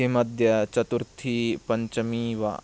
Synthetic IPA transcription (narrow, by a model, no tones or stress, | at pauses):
imɐd̪ʱjɐt͡ʃɐt̪uɾt̪ʰipɐɲt͡ʃɐmiːʋa̰